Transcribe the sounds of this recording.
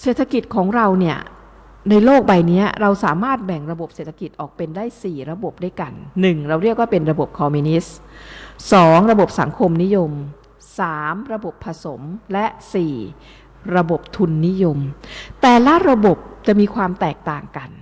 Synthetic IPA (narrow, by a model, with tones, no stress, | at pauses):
seː˨˩t̪ʰːa˧ki˨˩t̪̚kʰɔː˩˦ŋɾa˧wni˥˩ɐ | na˧jloː˥˩k̚ba˨˩jni˦˥ɐɾa˧wsaː˨˩˦maː˥˩t̪̚bɛ˨˩ŋɾa˧bo˨˩p̚seː˨˩t̪ʰa˧ki˨˩t̪̚ʔɔː˨˩k̚pe˧ndaː˥˩jsiː˨˩ɾa˧bo˨˩p̚da˥˩jka˧nːɯ˨˩ŋɾa˧wɾi˥˩ək̚waː˥˩pe˧nɾa˧bo˨˩p̚kʰɔː˧mi˧ni˦˥s | sɔː˩˦ŋɾa˧bo˨˩p̚sa̰˨˩˦ŋkʰo˧mni˦˥jo˧m | saː˩˦mɾa˧bo˨˩pʰːa˧so˩˦mlɛ˦˥ʔsiː˨˩ | ɾa˧bo˨˩p̚t̪ʰu˧nːi˦˥jo˧mt̪ɛː˨˩lɛ˦˥ɾa˧bo˨˩p̚t͡ɕa˨˩ʔmiː˧kʰwaː˧mt̪ɛː˨˩k̚t̪aː˨˩ŋka˧n